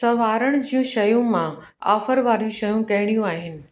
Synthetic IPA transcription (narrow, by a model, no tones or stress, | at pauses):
sɐʋaːɾəɽ̃d͡ʑijũʃɐjũmã | a̰ːfəɾʋaːɾijũʃɐjũkɐɦɪɽ̃ijũaːɦɪnɪ̆